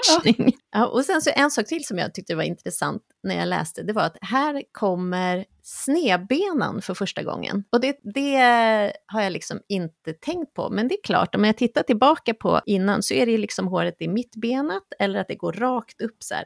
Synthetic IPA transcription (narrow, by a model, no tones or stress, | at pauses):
nɪŋʔɑːʔɔsɛnsɔʔɛnsɑːk̚t̪ʰɪlsɔmja̰ːt̪ʏk̚t̪əvaɾɪ̰nt̪ɾɛsa̰nt̪ | næɾja̰lɛ̰ːst̪əd̪ɛvaɾat̪hæːɾkʰɔmːəɾ | sneːbeːnə̰nfœɾfœʂʈaɡɔ̰ŋːə̰nɔd̪ɛd̪ɛ | haɾjalɪksɔmɪnt̪ət̪ʰɛŋkt̪̚pʰɔ̰mɛnd̪ɛːɾkʰlɑ̰ːʈɔmjat̪ʰɪt̪ːaʈɪlbɑːkapʰɔ̰ʔɪnːansɔæɖɛjlɪksɔmɦoːɾət̪ɪmɪt̪ːbeːnət̪ɛlːəɾat̪̚d̪ɛɡoːɾːɑːkt̪ɵpːsæ̰ːɾ